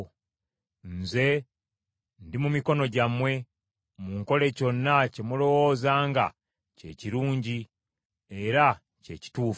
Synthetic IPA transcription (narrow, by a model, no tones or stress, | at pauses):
nze̞ | ndimumiko̞no̞ɟamwe̞ | muŋko̞le̞co̞nːace̞mulo̞wo̞ːzaːŋɡa̰ | ce̞̰ciɾuːɲɟi | e̞ɾa | ce̞̰ci̥tuːf